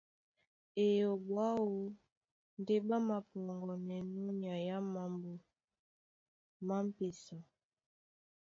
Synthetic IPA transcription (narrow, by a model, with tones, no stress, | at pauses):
e˨jo˨bwa˦wo˦ | n˦de˦ɓa˦ma˨pɔ˨ŋɡɔ˨nɛ˨nu˦ɲ˨a˨ja˦ma˨mbo˨ | ma˦m̩˦pe˨sɔ˨